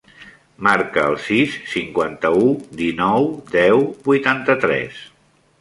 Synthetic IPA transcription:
maɾkəːlˠsisːiŋkwant̪əud̪inɔwd̪ɛwbujt̪ant̪ət̪ɾɛ̰s

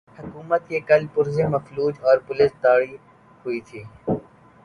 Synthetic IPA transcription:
hʊkuːmət̪̚kekɐlpʊɾzemɐfluːd͡ʒɔːɾpʊlɪst̪aːɽi | hʊit̪ʰiː

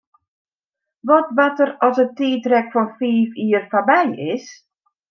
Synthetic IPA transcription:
ʋɔtʋatərɔsətiːtrɛkfɔnfiːfiːərfabɛjɪs

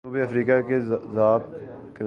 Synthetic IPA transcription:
uːbiːəfɾiːkakezaːb̚ | kɪn

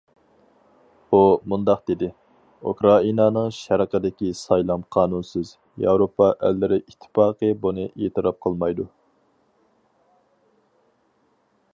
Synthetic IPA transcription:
b̥umund̪ɑqd̪̥ɪd̪ɪ | ṵkɾɑinɑnɨŋʃɛɾəqʰəd̪ɪkʲisɑjlˠɑmqʰɑːnunsɪz | jɑwɾopʰɑʔælːɪɾɪʔit̪ʰːɪ̥pɑːqəbunɨʔeːt̪ʰɨɾɑp̚qʰəlˠmɑjd̪u

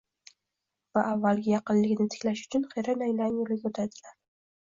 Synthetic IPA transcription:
vaʔavːalɡʲɪjɑqɨnlːɪɡʲnɪt̪ʰɪ̥kʲlaʃʊ̥t͡ʃʰʊnχeɾanajlaŋolɪɡʲot̪ʰad̪ɪlaɾ

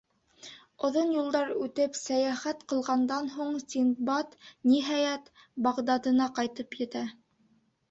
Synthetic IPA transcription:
ŏðonjulˠd̪ɑɾʉt̪ɘpsæjæχæt̪qɤ̆lˠʁɑnd̪ɑnɦuɴsinbɑt̪niɦɑjæt̪ | bɑʁd̪ɑd̪ɤ̆nɑqɑjt̪ɤpjɘ̆t̪æ

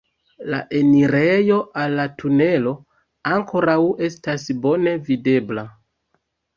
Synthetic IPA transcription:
la̰ʔe̞niɾe̞jo̞ʔalːatʰune̞lo̞ | aŋkʰo̞ɾawe̞stasbo̞ne̞vide̞bla

